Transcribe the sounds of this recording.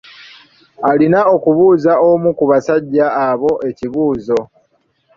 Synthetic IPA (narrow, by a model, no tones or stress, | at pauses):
alinao̞kuβuːzaomukuβasaɟːaːβo̞ʔe̞ciβuːzo̞